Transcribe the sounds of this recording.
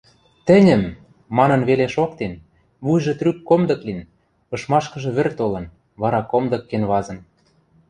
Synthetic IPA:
t̪ɘ̆nʲɘ̆mː | ɑnɤ̆nβeleʃokt̪en | βujʒɤ̆t̪rykkːomd̪ɤ̆klin | ɤ̆ʃmɑʃkɤ̆ʒɤ̆βɘ̆rt̪olɤ̆n | βɑɾɑkomd̪ɤ̆kːenβɑzɤ̆n

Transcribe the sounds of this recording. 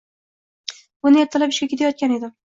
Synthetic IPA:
bʊnɪjat̪ʰːalapɪʃkʲakʰʲe̞t̪ʰajɒt̪̚kʲane̞d̪ɪ

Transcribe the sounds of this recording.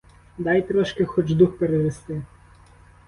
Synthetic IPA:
d̪ɑjt̪ɾɔʃkɛxɔd͡ʒd̪uxpeɾeʋest̪ɪ

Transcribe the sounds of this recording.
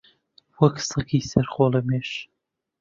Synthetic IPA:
wɐksɨkiːsɐɾχoːlˠɛmeːʃ

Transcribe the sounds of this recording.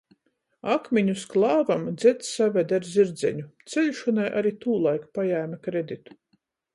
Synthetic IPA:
akmʲiɲusklˠɑːvamd̪zʲɛt̪ssavʲed̪aɾzʲiɾd̪zʲɛ̰ɲut̪selʲʃɔnajʔa̰ɾit̪uːlˠajkpajæːmʲakɾed̪it̪u̥

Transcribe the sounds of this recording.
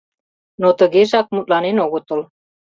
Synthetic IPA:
not̪əɣeʒɑk̚mut̪̚lɑnenoɣot̪ə̆l

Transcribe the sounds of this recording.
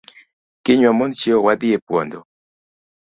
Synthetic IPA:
kɪɲwamɔnt͡ʃjeowad̪ɪepwɔ̰nd̪ɔ

